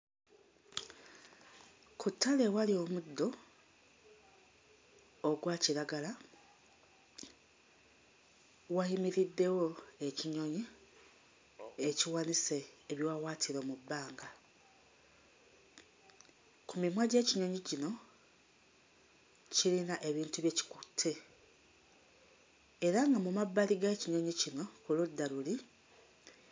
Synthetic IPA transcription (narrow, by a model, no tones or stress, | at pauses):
kutːale̞walio̞ːmud̪ːo̞ | ɡwaːciɾaɡala | wajimiɾidːe̞wo̞e̞ciɲo̞ɲi | eciwaniseːβjowawaːtʰiɾo̞ːmubːaːŋɡa | kumimwaɟe̞ːciɲo̞ɲicino̞ | cilinaʔe̞βiːntuβjeci̥ku̥tʰːe̞ | eɾaŋɡamumabːaliɡaeciɲo̞ɲicino̞kuludːaluli